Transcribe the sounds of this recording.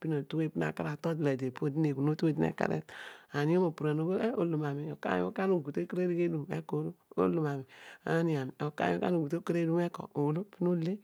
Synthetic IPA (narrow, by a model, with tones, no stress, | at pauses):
pi˦no˨tu˦we˦pi˦a̰˨ka˦ɾa˨to˦tla˨de˨po˦˨di˦ne˨ku˨no˦tu˦e˦˨di˦nḛ˦˨ka̰˨ɾḛ˦ta˨ni˦o˦mo˨pu˨ɾa˨no˨ɡo˦e˦o̰˦lu˨ma˨mi˨o˨ka̰˦j̰o̰˦ka˦no˦˨ɡu˨te˦kɾe˦ɾi˦ɡe˦du˨mḛ˦ko˨˦ɾo˦o̰˦lu˨ma˨mi˨a̰˨˦ni˦a˨m˨o˨ka̰˦jo˦ka˦n˦o˨ɡu˨to˦kɾe˦du˦me˦ko̰˨o˨wlo˦pi˦no˦le˦